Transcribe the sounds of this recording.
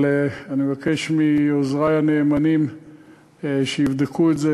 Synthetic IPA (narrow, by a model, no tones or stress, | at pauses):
leanimevake̞ʃmiozʁajaneːmanim | ʃeivd̪ekʰuetze